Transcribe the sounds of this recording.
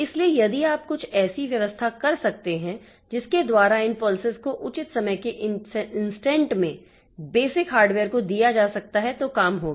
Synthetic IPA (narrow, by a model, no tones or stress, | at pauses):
ɪsliejɐd̪iaːp̚kʊt͡ʃʰɛːsiʋjɐʋəst̪ʰakɐɾsɐk̚t̪eɦɛ̃ | d͡ʒɪsked̪waːɾaɪnpɔːlsɪzkoʔʊt͡ʃɪt̪sɐməjkeʔɪnsʈɛ̃ːɳʈmẽ | beːsɪkɦaːɾɖʋeːəɾkod̪ijad͡ʒaːsɐk̚t̪aɦɛt̪okaːmɦoːɡː